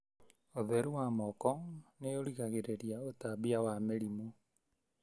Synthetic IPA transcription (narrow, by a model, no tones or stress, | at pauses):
oðɛɾuwaːmɔkɔneoɾiɣaɣeɾeɾiaotabiawameɾimu